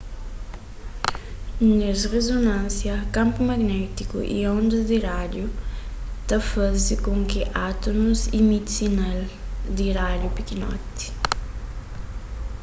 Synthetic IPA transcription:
nesrezonãnsjɐkãmpumɐɡnɛt̪ikṵʔḭõnd̪ɐd̪iɾad̪ju | t̪ɐfazikõŋkiʔat̪onuzimid̪sinald̪iɾad̪jupikinɔ̰t̪i̥

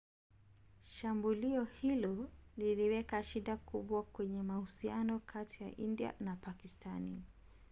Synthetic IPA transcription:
ʃambuliɔhilɔliliwɛkaʃiɗakuɓwakwɛɲɛmahusianɔkʰatija̰ʔindia̰napakistʰani

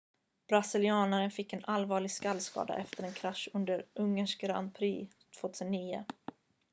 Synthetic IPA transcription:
b̥ɾasɪlɪɑːnaɾənfɪkːɛnʔalvɑːɭɪɡskalːskɑ̰ːd̪a̰ʔɛft̪əɾɛnkʰɾaʂːɵnd̪əɾʔɵŋːəʂkɾa̰npʰɾiːl | t̪ʰv̥oːt̪ʰʉːsənːiːʊ̰

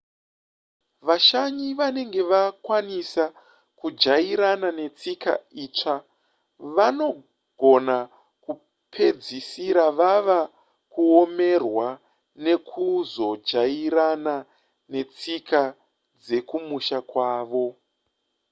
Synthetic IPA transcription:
ʋaʃaɲiʋane̞ŋɡe̞ʋakwanisa | kud͡ʒaiɾanane̞t͡sika̰iːt͡ʂa | ʋano̞ | ɡ̥ʱo̞na | ku | pʰe̞d͡zisiɾaʋaʋa | kuo̞me̞rwa | ne̞kʰuzo̞d͡ʒaiɾana | ne̞t͡sikʰa | d͡ze̞kumuʃakwaːʋo̞

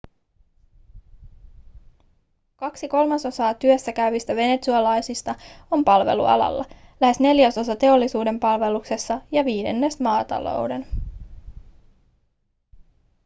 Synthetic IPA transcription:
kɑksiko̞lmɑso̞sɑːt̪yøsːækæyɥʋist̪æʋe̞ne̞t̪suɑlɑjsist̪ɑo̞mpɑlʋe̞̰lṵɑ̰lɑ̰lːɑ̰ | læhe̞sne̞ljæso̞sɑt̪e̞o̞lːisuːde̞mpɑlʋe̞lukse̞sːɑjɑʋiːde̞̰nːe̞smɑːt̪ɑ̰lo̞̰wde̞n

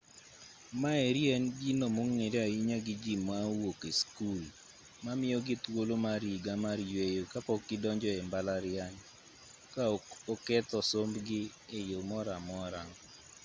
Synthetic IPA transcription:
maeɾjɛnɡinomoŋŋːedaiɲaɡɪd͡ʒimːawokeskul | mamɪɔɡɪt̪wolomaɾiɡamaɾjwejokapɔkːɪdɔɲd͡ʒɔɛmbalaɾɪaɲ | kaokɛt̪ɔsombɡɪ | ejomɔɾamɔɾaŋ

